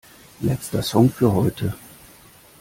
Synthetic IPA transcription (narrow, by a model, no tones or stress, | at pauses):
lɛt͡stɐsɔŋfyːɐɦɔʏtʰə